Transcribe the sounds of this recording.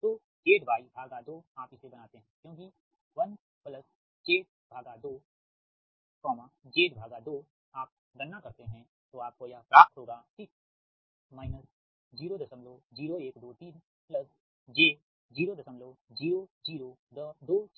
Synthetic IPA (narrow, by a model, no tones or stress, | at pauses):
t̪oː | d͡ʒeːʈbaːibʱaːɡad̪oːaːpɪsebɐnaːt̪eɦɛ̃kjõːk̬i | ʋɐn | pləs | d͡ʒeːʈ̚ | bʱaːɡad̪oː | kɔːmãd͡ʒeːʈbʱaːɡad̪oː | aːp̚ | ɡ̪ɐnːakɐɾt̪eɦɛ̃ | t̪oaːp̚kojapɾaːp̚t̪ʰɦoːɡaːt̪ɪk | maːɪnəs | d͡ʒiːɾod̪ɐsəmloːd͡ʒiːɾoeːkd̪oːt̪iːn | pləs | d͡ʒeː | d͡ʒiːɾod̪ɐsəmloːd͡ʒiːɾod͡ʒiːɾod̪əd̪oːt͡ʃ